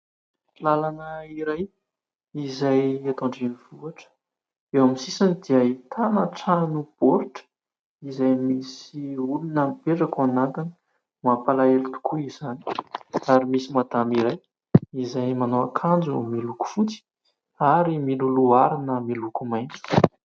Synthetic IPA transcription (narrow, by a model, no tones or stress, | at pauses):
lalanəiɾaj | izajet̪oɳɖ͡ʐenivuaʈ͡ʂə̥ | ewamisisanid̪iəit̪ʰanəʈ͡ʂanub̥oɾʈ͡ʂə̥ | izajmisiulunəmpeʈ͡ʂakanant̪ini̥ | mapalaelit̪u̥kuiz̥ani̥aɾimisimad̪amiɾaj | izajmanoakʰand͡zumiluku̥fut͡si̥ | aɾimiluluaɾinəmilukumajnt͡si̥